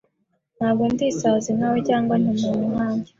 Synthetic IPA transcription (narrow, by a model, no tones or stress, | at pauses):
n̥haːbɡontisazinawecaːŋɡwanimuɲumaːɲɟe